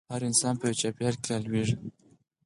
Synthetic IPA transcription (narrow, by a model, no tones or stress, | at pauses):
haɾɪnsɑnpəjot͡ʃapjaɾkealwiʐ